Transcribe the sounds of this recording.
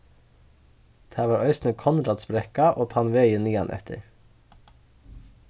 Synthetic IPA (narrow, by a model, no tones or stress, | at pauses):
d̪̥ʰæːʋɑːɾœʏsnəkʰɔnɾɑd̪sbɾɛkɑʔoːt̪ʰɑːnʋeɪəniːɑnʔɛ̰t̪ʰə̰ɾ